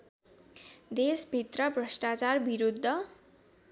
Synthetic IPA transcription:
d̪esbʱit̪rʌbrʌsʈat͡sarbiɾud̪ʱːʌ

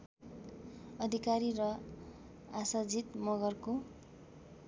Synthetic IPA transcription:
ʌd̪ʱikaɾiɾʌ | asad͡zit̪mʌɡʌrko

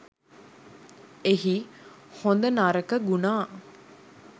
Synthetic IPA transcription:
eɦihond̪ənaɾəkəɡunaː

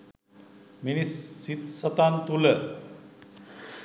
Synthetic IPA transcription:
minisːit̪sət̪ant̪ulə

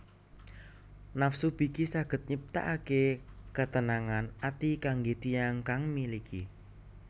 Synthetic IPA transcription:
nafsub̥i̤kisaɡ̥ə̤t̪̚ɲəp̚t̪a̰ʔakekət̪ənaŋanat̪ikaŋɡet̪ijaŋkaŋmilikʰi

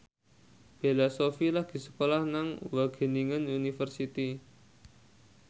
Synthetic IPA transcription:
b̥elasofilahɡ̥i̤sə̥kolahnaŋwaɡ̥ə̤niŋənunifərsit̪i

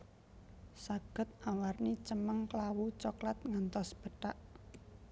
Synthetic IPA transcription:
saɡ̥ə̤t̪̚awarnit͡ʃəməŋklawut͡ʃɔklat̪̚ŋant̪ɔsb̥ə̤ʈaʔ

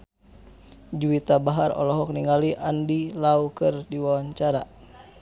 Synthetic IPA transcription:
d͡ʒuit̪abaɦarɔ̰lɔɦɔk̚niŋaliʔandilaukɨrdiwawaɲt͡ʃaɾa̰

